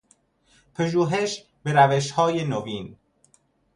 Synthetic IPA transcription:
pʰeʒuːɦeʃ | beɾæveʃhɒːjenoviːn

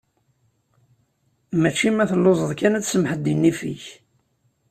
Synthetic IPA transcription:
mæt͡ʃːimæθəlːozˤəðˤkænæt͡sːsəmħəd̪ːinːifḭç

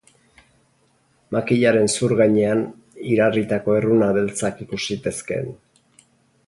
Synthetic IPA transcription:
makiʎaɾe̞nsuɾɣaɲe̞an | iɾarit̪ako̞e̞runaðe̞lt͡sakikusit̪e̞ske̞̰n

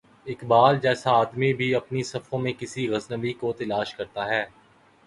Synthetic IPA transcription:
ɪkbaːld͡ʒɛːsaːd̪mibʱiɐpnisɐfõmẽkɪsiɣɐznəʋikot̪ɐlaːʃkɐɾt̪aɦɛː

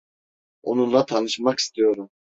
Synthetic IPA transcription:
o̰nunlˠat̪ʰanɯʃmaki̥st̪ʰijo̞ɾum

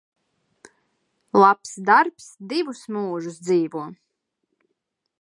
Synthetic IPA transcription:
lˠapsd̪aɾpsd̪ivusmuːʒus̬d̪ziːvuɔ

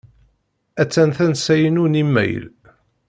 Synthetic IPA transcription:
æt͡sːænθænsæjənunimːæ̰j̰l

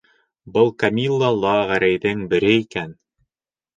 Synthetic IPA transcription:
bɤlˠkɐmʲilˠːɑlˠɑʁæɾæjðɘŋbɘ̆ɾɘikæn

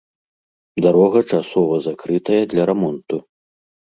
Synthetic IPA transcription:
d̪aɾɔɣɐt͡ʂasɔvɐzakɾɨt̪ɐjɐd̪lʲɐɾɛmɔnt̪u

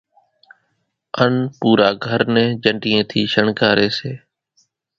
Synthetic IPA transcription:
ənpuːɾaːɡʱəɾnɛ̃ːd͡ʒəɳɖiːẽːt̪ʰiːʃəɳkaːɾeːseː

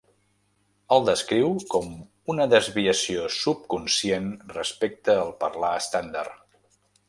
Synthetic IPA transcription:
əlˠd̪əskɾiwkɔm | unəðəzβiəsiosup̚kunsienrəspek̚t̪əːlˠpərlaəst̪and̪a̰r

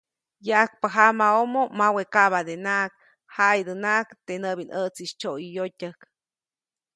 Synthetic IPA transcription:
jaʔak̚paɦamaomomawekaβad̪enaʔk̚ | hajd̪ənaʔkt̪enəbinʔət͡siʃt͡ʃojjotʲək

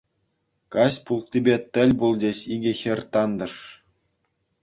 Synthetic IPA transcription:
kɑsʲpulˠt̪ʲːibʲet̪ʲɘ̆lʲbulˠdʲeɕiɡʲɘ̆xʲɘ̆rʲt̪ɑnd̪ɤ̆ʂ

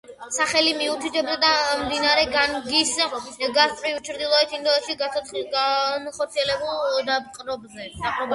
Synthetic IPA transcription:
saχɛlimiut̪ʰit̪ʰɛbd̪ɔd̪amd̪inaɾɛɡanɡisɡast̪ʼɾivt͡ʃʰɾd̪ilˠɔɛt̪ʰind̪ɔɛt̪ʃiɡaanχɔɾt̪siɛlɛbulˠd̪apqʼɾɔbzɛapʼɾɔb

